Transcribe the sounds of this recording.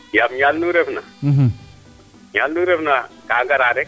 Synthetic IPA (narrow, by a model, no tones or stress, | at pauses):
jabɲalnuːɾepna | ɦ | ɲalnuːɾepna | kaːɡaɾaːɾe